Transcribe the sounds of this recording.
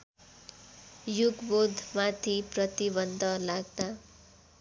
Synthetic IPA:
juɡbod̪ʱmat̪ʰiprʌt̪ibʌnd̪ʱʌlaɡd̪a

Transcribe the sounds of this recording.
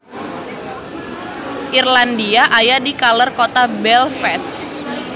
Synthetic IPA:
ʔirlandiaʔajadikalərkot̪abɛlfɛs

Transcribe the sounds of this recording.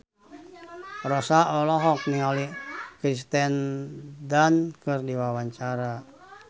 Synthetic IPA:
rɔsaɔlɔɦɔk̚niŋalikɾist̪ɛndankɨrdiwawaɲt͡ʃaɾa

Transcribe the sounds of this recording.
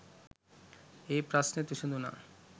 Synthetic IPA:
epɾasnet̪iʃond̪ʱuna̰

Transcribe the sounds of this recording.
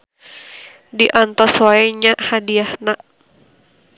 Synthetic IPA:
diʔant̪ɔswaiɲaʔhadiahna

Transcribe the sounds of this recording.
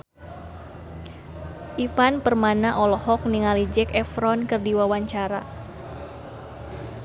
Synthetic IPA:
ʔipanpərmanaʔɔlɔhɔk̚niŋalid͡ʒɛkɛfɾɔnkɨrdiwawaɲt͡ʃaɾa̰

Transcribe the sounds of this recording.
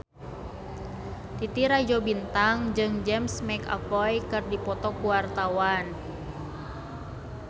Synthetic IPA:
t̪it̪iɾad͡ʒobint̪aŋd͡ʒɨŋd͡ʒɛmsmɛka̰pɔjkɨrdipɔt̪ɔkuwart̪awan

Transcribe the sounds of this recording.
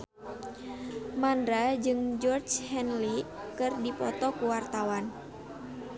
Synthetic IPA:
mandɾad͡ʒɨŋd͡ʒɔrt͡ʃhɛnli | kɨrdipɔt̪ɔkuwart̪awan

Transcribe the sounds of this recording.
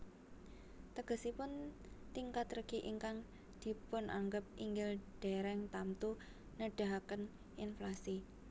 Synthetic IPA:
t̪əɡ̥ə̤sipʊnt̪iŋkat̪rəɡ̥iʔiŋkaŋ | d̪̥i̤pʊnʔa̰ŋɡəp̚ʔiŋɡɪlɖ̥eɾɛŋt̪amt̪u | nəɖ̥a̤ɦakən | inflasi

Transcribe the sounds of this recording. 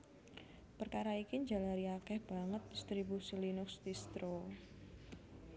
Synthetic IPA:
pərkaɾaikiɲd͡ʒalaɾiakɛhb̥a̤ŋət̪̚d̪ist̪ɾibusilinʊksd̪ist̪ɾo

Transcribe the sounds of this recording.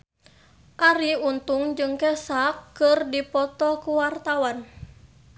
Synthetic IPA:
ʔaɾiunt̪uŋd͡ʒɨŋkɛsakːɨrdipɔt̪ɔkuwart̪awan

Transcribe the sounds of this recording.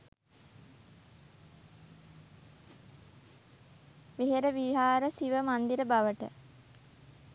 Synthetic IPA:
ʋeɦeɾəʋiɦaːɾəsiʋəmand̪iɾəbaʋəʈə̰

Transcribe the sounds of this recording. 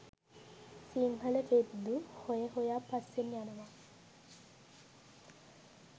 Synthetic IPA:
siŋɦələʈed̪uhojəhojaːpasːenjanɐʋa

